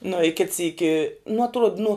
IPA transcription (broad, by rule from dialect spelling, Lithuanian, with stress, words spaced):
nʊ ɪ kʲɪt ˈsʲiːkʲɪ nʊ ɐtˈruɔt nʊ